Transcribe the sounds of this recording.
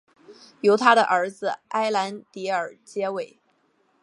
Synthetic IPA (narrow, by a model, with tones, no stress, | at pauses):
jo˧˥ʊt̪ʰa˥ɾə˨ʔə˞˧˥d͡zɹ̩˧ʔa˥ɪla˧˥nt̪i˧˥ə˞˨˩t͡ɕjɛ˥we˥˩ɪ